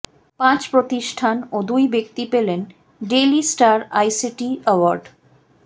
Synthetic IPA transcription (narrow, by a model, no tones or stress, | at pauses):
pãt͡ɕpɾot̪iʃʈʰanod̪ujbek̚t̪ipelen | ɖelisʈaɾajsiʈiəwaɾɖ